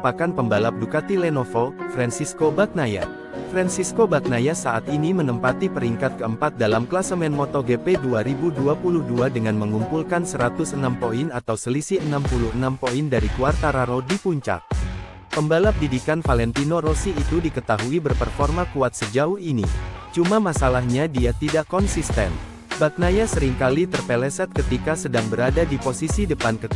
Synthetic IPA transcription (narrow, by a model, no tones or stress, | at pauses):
upakanpəmbalap̚dukat̪ilɛnofofɾansiskobak̚naja̰ | fɾansiskobak̚najasaʔat̪inimənəmpat̪ipəɾiŋkat̪̚kəəmpat̪̚dalamklasəmɛnmɔt̪oɡepeduaɾibuduapuluhduadəŋanməŋumpulkansəɾat̪ʊsənampoinat̪awsəlisiənampuluənampoindaɾikuart̪aɾaɾodipuɲt͡ʃa̰k̚ | pəmbalap̚didikanfalɛnt̪inoɾosiːt̪udikət̪aɦuibərpərfɔrmakuat̪̚səd͡ʒauhinḭt͡ʃumamasalahɲadiat̪idaʔkɔnsist̪ɛ̰n | bak̚najasəɾiŋkalit̪ərpɛlɛsɛt̪̚kət̪ikasədaŋbəɾadadiposisidəpankət̪